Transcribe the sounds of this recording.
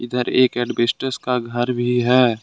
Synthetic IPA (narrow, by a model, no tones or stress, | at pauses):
ɪd̪əɾeːkɛːɖbeːsʈəskaɡʱɐɾbʱiɦɛː